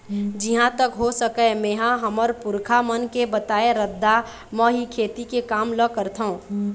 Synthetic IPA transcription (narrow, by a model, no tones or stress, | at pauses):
d͡ʒɪɦãt̪əkɦosəkəmẽːɦãɦəməɾpʊɾkʰamənkebət̪aːeɾəd̪ːa | məɦikʰeːt̪ikekaːmləkəɾt̪ʰaũ